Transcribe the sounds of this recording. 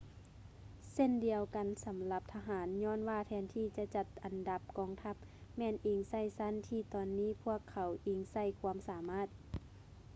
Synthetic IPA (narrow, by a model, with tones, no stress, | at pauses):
se˧˥˨ndi˨˧əwka˨nsa˨˦mla˧˦p̚t̪ʰa˧ɦaː˨˦nɲɔː˧˥˨nwaː˧˩t̪ʰɛː˧nt̪ʰiː˧˩t͡ɕa˧t͡ɕa˧t̪̚ʔa˨nda˧˦p̚kɔː˨˧˩ŋt̪ʰa˧˥p̚mɛː˧˩˨nʔiː˧˩ŋsa˧˥˩jsa˧˥˨nt̪ʰiː˧˩t̪ɔː˨nːiː˧˥˨pʰu˥˩əkʰːa˨˦wʔiː˧˩ŋsa˧˩˨jkʰuː˧əmsaː˨˦maː˧˥˩t̪̚